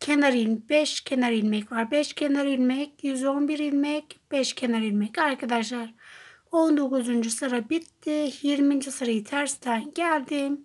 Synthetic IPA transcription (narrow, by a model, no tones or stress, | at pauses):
kʰenɐɾiːnpeʃkʰenɐɾinmekʋaɾbeʃkʰenɐɾiːnmek̪̚izoːmbiɾiːnmekpeʃkʰenɐɾiːnmekaɾked̪aʃ̬ɐɾ | ownd̪ukozund͡ʒusɐɾɐbit̪ːehiːɾmint͡ʃʰɐsɐɾiːt͡s̪ʰɐɾst̪ʰaːnkʲaːɾd̪em